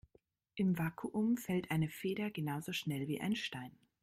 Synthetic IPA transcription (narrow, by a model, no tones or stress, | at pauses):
ʔɪmvaːkʰuʔʊmfɛltʔaɪnəfeːɾɐɡənaʊzoʃnɛlviːʔa̰ɪnʃtaɪn